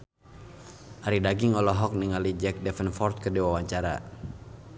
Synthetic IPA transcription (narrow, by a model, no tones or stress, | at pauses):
ʔaɾidaɡiŋɔlɔɦɔk̚niŋalid͡ʒɛk̚dɛfənfɔrt̪̚kərdiwawaɲt͡ʃaɾa̰